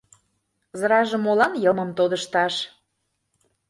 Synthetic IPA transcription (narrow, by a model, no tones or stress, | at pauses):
zɾɑʒə̆molɑnjɤməmt̪od̪əʃt̪ɑʃ